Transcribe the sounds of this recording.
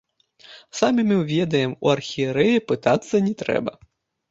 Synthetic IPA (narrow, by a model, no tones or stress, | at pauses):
sɑmɪmɪwʋʲɛd̪ɐjemṵɐrxʲieɾɛjipɪt̪ɑt̪sʲɐnʲit̪ɾɛ̰bɐ